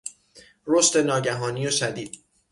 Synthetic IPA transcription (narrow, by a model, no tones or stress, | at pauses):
ɾost̪e̞nɒːɟæɦɒːniːjoʃæd̪iːd̪̥